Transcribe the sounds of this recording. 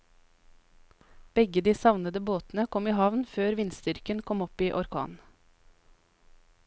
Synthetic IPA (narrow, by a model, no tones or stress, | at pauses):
b̥ɛɡəd̪iːsɑʋnəd̪əboːt̪n̩əkʰɔmiːhɑʋnføːɾʋɪnst̪ʏɾkənkʰɔmɔpiːʔɔɾkʰɑ̰ːn